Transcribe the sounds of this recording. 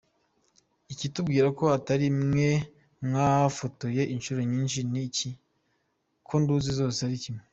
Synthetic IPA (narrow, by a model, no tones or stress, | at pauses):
icitub̚ɡiːɾako̞ataɾimŋe̞ | mŋaafoto̞je̞ʔinʃuɾo̞ɲiːnʃinici | kʰo̞nduːzizo̞ːseaɾicime